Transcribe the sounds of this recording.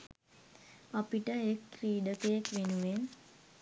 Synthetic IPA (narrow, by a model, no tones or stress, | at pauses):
apiʈəekːriːɖəkejəkʋenuʋen